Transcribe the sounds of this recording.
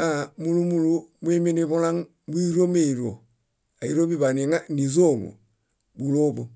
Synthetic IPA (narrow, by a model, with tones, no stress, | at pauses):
amu˦lu˦mu˦lu˦mu˦i˦mi˦ni˦βu˦la˦ŋ | bu˦i˦ɾo˦me˦˨i˨ɾo̰˨ | a˨i˦ɾo˦bi˦ba˨ni˨ŋa˦ni˨zo˦˨ŋṵ˨ | bu˨lo˦bo˨